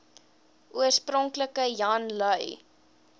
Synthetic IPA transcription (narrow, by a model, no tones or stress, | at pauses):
uərsprɔŋkləkəjɐnləj